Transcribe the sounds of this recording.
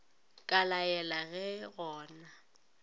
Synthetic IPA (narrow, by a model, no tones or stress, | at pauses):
kʼalajɛlaɣɛɣɔːna